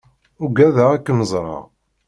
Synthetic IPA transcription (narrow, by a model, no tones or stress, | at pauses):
ʊɡæðæækːməzˤɾˤɑ̰